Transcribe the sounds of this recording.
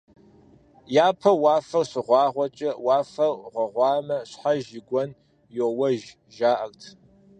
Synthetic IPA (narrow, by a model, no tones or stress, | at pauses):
jaːpʰɐwɑːfɐwɕɪʁʷɑːʁʷɔt͡ʃʼɐwɑːfɐwʁʷɔʁʷɑːmɐɕħaʒɪɡʷɔn | jowɐʒ | ʒaːʔɐltʰ